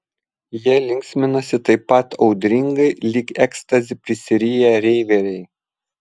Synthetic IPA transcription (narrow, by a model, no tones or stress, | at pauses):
jiɛlʲɪŋʲksʲmʲɪnɐsʲɪt̪ɐɪpːɐt̪ɒʊd̪ʲɾʲɪŋɡɐɪlʲikɛkst̪ɐzʲɪpʲɾʲɪsʲɪɾʲijæɾʲɛɪʋʲɛɾʲɛɪ